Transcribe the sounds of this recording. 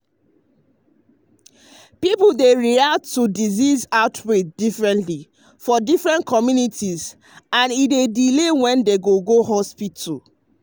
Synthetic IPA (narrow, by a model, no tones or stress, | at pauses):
pipudeɹiatːudizizaʊtʰwedifɹɛ̃ntli | fɔdifɹɛ̃nkʰɔmjunitiz | ãnidedilewɛ̃ndeɡoɡohɔspitʰu